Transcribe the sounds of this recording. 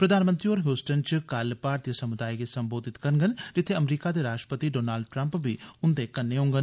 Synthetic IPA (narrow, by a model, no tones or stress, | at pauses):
pɾəd̪aːnmə̃nt̪ɾioːɾɦjuːsʈənt͡ʃkəlpaːɾt̪ijəsəmʊd̪aːiɡesəmboːd̪ɪt̪kəɾənɡənd͡ʒɪt̪ʰːeəmɾiːkad̪eːɾaːʃʈɾəpət̪iɖoːnaːlɖʈɾə̃mpbʱiʊnd̪ekənːeɦõːŋɡən